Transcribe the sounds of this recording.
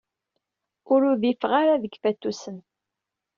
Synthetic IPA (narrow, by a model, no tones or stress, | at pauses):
ʊɾʊðifʁaɾaðəɡfæt̪ːusən